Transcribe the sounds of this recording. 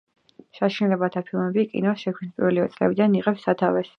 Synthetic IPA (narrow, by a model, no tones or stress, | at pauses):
ʃaʃinlɛbat̪ʰapʰilˠmɛbikʼḭnɔsʃɛk̪ʰispʼiɾvɛlivɛt̪sʼlɛ̰bid̪aniʁɛpsːat̪ʰavɛs